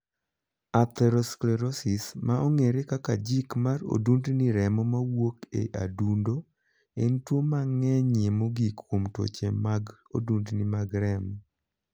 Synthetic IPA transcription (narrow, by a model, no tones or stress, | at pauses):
at̪ɛɾosklɛɾosismaoŋeɾekakad͡ʒikmaro̰dundniɾɛmɔmawokḛʔa̰dundo | entwomaŋɛɲemoɡikːwomto̰t͡ʃemaɡ | o̰dundnimaɡɾɛm